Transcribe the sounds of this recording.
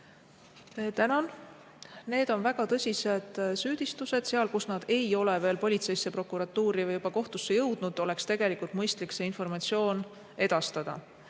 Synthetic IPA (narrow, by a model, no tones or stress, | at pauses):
t̪ænɑn | ne̞ːd̪̥o̞nvæɡ̥ɑt̪ɤsʲise̞d̪̥syːd̪̥ist̪use̞d̪̥seɑlkusnɑd̪̥e̞jo̞le̞ve̞ːlpo̞lʲit̪se̞jsːe̞pro̞kːˑuɾɑt̪ːuːɾivɯjubɑko̞ht̪usːejɤwd̪̥nud̪̥o̞le̞kst̪e̞ɡ̥e̞likult̪mɤjst̪likse̞info̞rmɑt̪sio̞ːn | e̞d̪̥ɑst̪ɑd̪̥ɑ̰